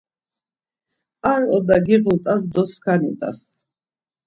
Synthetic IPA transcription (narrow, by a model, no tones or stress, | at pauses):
aɾɔd̪aɡiʁut̪ʼasd̪ɔskʰanḭt̪ʼa̰s